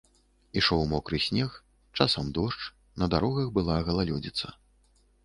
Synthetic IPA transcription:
iʂɔwmɔkɾɨsʲnʲɛx | t͡ʂasɐmd̪ɔʂt͡ʂ | nɐd̪aɾɔɣɐxbɨlˠaɣɐlˠalʲɔd͡zʲit̪sɐ

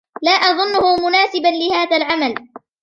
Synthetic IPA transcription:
laːʔɑðˤʊnːʊhʊmʊnaːsɪbanlɪhaːðalʕamal

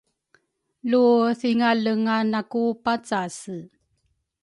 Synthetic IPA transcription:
luθiŋaləŋanakupat͡sasə

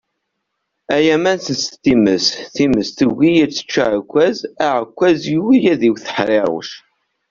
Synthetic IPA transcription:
æjæmænθənst̪ːiməsθiməsθəɡʷijiɾt͡sːə̥t͡ʃːaʕkʷːæzæʕəkʷːæzjuwijæðiwθə̥ħɾeɾˤo̰ʃ

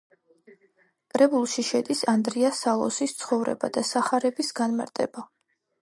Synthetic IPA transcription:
kʼɾɛbulˠʃiʃɛd̪isand̪ɾiasalˠɔ̰sist̪sʰχɔvɾɛ̰ba̰d̪asaχaɾɛbisɡanma̰ɾt̪ʼɛba

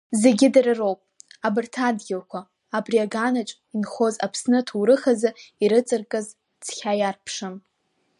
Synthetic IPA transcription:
ze̞ɡʲɪdarɨrowpʼabɨrtʰadɡʲalkʷʰaː | briaɡanat͡ʃʷʼinχo̞za̰pʰsnɨtʰuwɾɨχazɨiɾɨt͡sʼɨrkʼɨz | d͡z̥ʰχʲajarpʰʂɨm

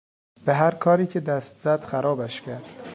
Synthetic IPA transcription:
b̥eɦæɾkʰɒːɾiːcʰe̞d̪æst̪z̥æd̪̥xæɾɒːbæʃcʰæɾd̪̥

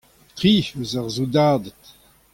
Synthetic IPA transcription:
t̪ʁiːøzaʁzudaːdət

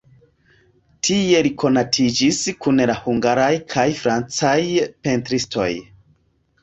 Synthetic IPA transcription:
tʰie̞likʰo̞natʰid͡ʒiskunlahuŋɡaɾajkʰajfɾant͡sajpe̞ntɾisto̞̰j

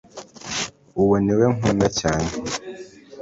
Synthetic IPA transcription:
uwoniweŋunacaːne

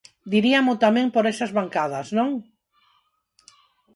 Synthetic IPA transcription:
d̪iɾiɐmot̪amẽŋpoɾɛsɐzβaŋkað̞ɐsnõŋ

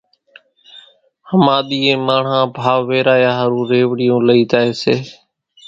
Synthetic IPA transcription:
həmaːɗ̪iːẽːmaːɳ̤ãːbʱaːʋʋeːɾaːjaːɦəɾũːɾeːʋɽɪjõːləiːt̪aːɦeːseː

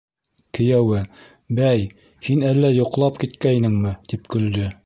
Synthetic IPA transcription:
kɘ̆jæwɘ | bæj | hinælːæjŏqlˠɑpkit̪kæjnɘŋmɘt̪ipkɵ̆ld̪ɵ

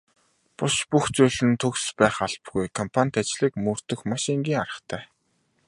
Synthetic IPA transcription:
pʊʃpuxt͡suːɮɘ̆nt̪ʰɵkspæːχaɮ̥pɡujkʰɔmpʰanʲt̪at͡ɕɮiːkmɵr̥t̪ɵ̆xmaʃiŋɡʲiːŋaɾə̆χt̪ʰæː

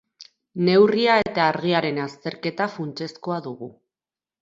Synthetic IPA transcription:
ne̞wriaet̪aːɾɣ̞iaɾe̞nast̪e̞ɾke̞t̪afunt͡ʃe̞sko̞aðuɣu

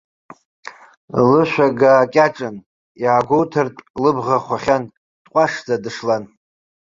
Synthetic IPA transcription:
lɨʃʷᶣaɡaːkʲʼaʈ͡ʂʼɨn | jaːɡʷowtʰɨrtʼlɨbʁaχʷaχʲan | tʼqʷʼaʂd͡zadɨʂlan

